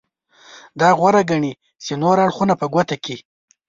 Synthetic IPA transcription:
d̪ɑɣwaɾaɡaɳi | t͡ʃenoɾaɽxunapəɡwat̪aki

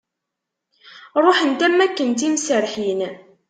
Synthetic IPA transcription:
ɾˤoħənt̪æmːækːənt̪̬imsəɾħin

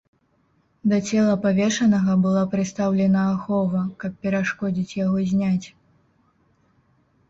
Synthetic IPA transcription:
d̪ɐt͡sʲɛlˠɐpavʲɛʂɐnɐɣɐbɨlˠapɾɨt̪st̪awlʲɛnɐːxɔvɐkɐp̚pʲɛɾaʂkɔd͡zʲit͡sʲjaɣɔzʲnʲat͡sʲ

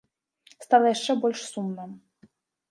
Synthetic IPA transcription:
st̪alˠɐjaʂt͡ʂɛbɔlʲʂsumnɐ

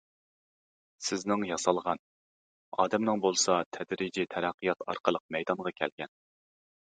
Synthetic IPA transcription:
sɪznɪŋjɑsɑlˠʁɑn | ɑ̰ːd̪ɛmnɨŋbolˠsɑt̪ʰɛd̪ɾid͡ʒit̪ʰɛɾæqːijɑt̪ʰɑ̰ɾqʰəlˠəq̚mɛjd̪ɑɴʁɑkʲʰɛ̰lɡʲɛn

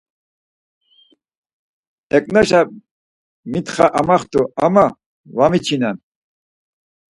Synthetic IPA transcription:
ɛkʼnaʃa | mit̪χaʔamaχt̪ʼuama | vamit͡ʃʰinan

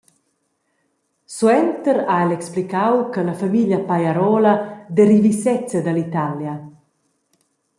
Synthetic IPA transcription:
swɛnt̪əɾaɛlɛksplikawkalafamiljapajaɾɔlad̪ɛɾivisɛt͡səd̪alit̪alja

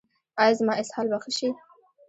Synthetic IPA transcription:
ɑjɑzmɑɪshɑlbaxəʃi

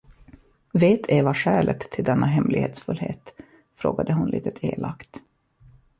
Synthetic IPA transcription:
veːt̪ʰeːvaʂæːɭʔət̪ʰːɪld̪ɛnːʔaɦɛmlɪɡheːt̪sfɵlhḛːt̪ | fɾo̰ːɡad̪əɦʊnlʔḭːt̪ət̪ʰeːlʔakt̪

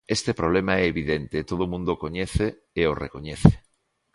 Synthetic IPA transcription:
est̪epɾoβ̞lemaɛeβiðent̪et̪oð̞omũnd̪okoɲeθe | eorḛkoɲeθe̥

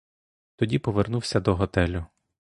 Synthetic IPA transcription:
t̪ɔdʲipɔʋernuwsʲɐd̪ɔɦɔt̪ɛlʲʊ

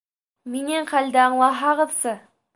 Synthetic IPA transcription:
meneɴqʰælʲd̪ɪɑɴlˠɑɦɑʁəðsə

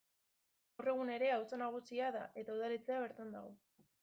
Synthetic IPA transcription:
ɡawre̞ɣ̞une̞ɾe̞awsanaɣ̞usiaða̰ʔe̞t̪auðalit͡se̞aβ̞e̞ɾt̪and̪aɣo

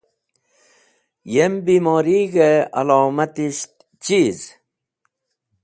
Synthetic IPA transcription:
jembiːmoːɾiːɡea̰loːmat̪iɕt̪ | t͡ɕiz

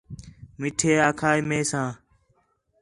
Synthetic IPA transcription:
mɪʈʰeːaːkʰaːmẽːsãː

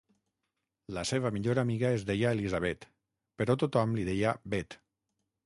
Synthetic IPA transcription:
laseβ̞amiʎoɾamiɣaezdejaelizaβ̞ɛt̪ | peɾɔt̪ut̪ɔmliðejabet̪

